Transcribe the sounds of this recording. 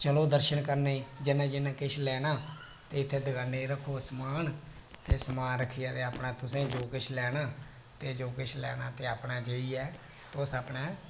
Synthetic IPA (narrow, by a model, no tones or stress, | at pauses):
t͡ʃəloːd̪əɾʃənkəɾneːiːd͡ʒɪnãːd͡ʒɪnãːkɪʃʰlɛːnaː | t̪eːɪt̪ʰːeːd̪əɡaːneiɾəkʰːoːsəmaːn | t̪eːsəmaːnɾəkʰːijaːt̪eːaːpɳaːt̪ʊsẽːd͡ʒoːkɪʃʰlɛːnaː | t̪eːd͡ʒoːkɪʃʰlɛ̰ːnaːt̪eːaːpɳaːd͡ʒeːiɛː | t̪oːsaːpɳɛː